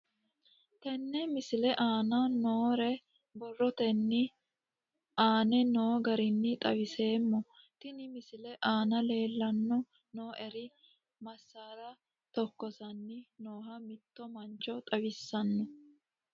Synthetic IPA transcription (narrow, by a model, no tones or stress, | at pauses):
t̪ɛnːɛmɪsɪlɛʔaːnɐnoːɾɛ | bɔrːɔt̪ɛnːɪ | ʔaːnɛno̞ːɡɐɾɪnːɪt̪ʼɐwɪse̞ːmːɔ | t̪ɪnɪmɪsɪlɛʔaːnɐle̞ːlːɐnːɔ | noːʔɛɾɪ | mɐsːaːɾɐ | t̪ɔkːɔsɐnːɪno̞ːɦɐmɪt̪ːɔmɐnt͡ʃːɔt̪ʼɐwɪsːɐnːɔ